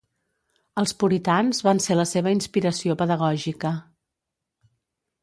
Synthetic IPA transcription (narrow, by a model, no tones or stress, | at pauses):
əlˠspuɾit̪anzβanseləseβ̞əinspiɾəsiopəðəɣ̞ɔʒikə